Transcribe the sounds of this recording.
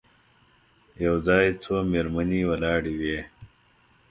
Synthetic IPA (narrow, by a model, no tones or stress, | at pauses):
jɐwzɑːjt͡sʰomeɾməniwɐlɑːɽiweː